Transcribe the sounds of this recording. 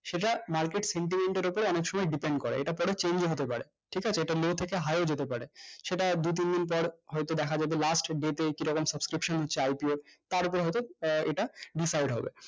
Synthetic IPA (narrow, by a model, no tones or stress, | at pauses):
ʃeʈamaɾkeʈseɳʈimeɳʈeɾopoɾeɔnekʃɔmɔeɖipeɳɖkoɾḛeʈapɔɾet͡ɕeɲd͡ʑeɦot̪epaɾe | ʈʰikat͡ɕʰeeʈalot̪ʰekeɦaeod͡ʑet̪epaɾeʃeʈad̪ut̪̬ind̪inp̬ɔɾɦɔjt̪od̪ɛkʰad͡ʑabelasʈɖeʈ̪ekiɾɔkomsəbskɾipʃonɦotːɕʰeajpioɾt̪aɾopɔɾɦɔjt̪oeʈaɖisajɖɦɔ̰bḛ